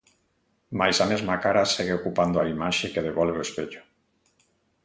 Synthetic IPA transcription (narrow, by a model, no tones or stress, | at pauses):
majsamezmakaɾaseɣeokupand̪oaimaʃekeð̞eβɔlβeoespeʎo̥